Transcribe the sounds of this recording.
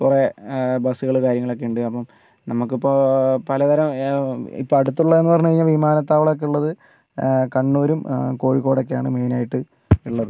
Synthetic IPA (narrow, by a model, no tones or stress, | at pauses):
kurebɐsuɣɐɭkaːɾjɐŋːɐɭokːeuɳɖɨɐpːɐm | nɐmuk̬ːipːopɐlɐd̪ɐɾɐmḭpːo̞ːɐɽut̪ːuɭːɐenːɨpɐrɐɲːukɐɻiɲːalʋimaːnɐt̪ːaːʋɐɭɐok̬ːeuɭːɐðɨ | kɐɳːoːɾumko̞ːɻikːoːɽok̬ːejaːɳɨ̰me̞ːnaːjiʈːɨ | iɭːɐðɨ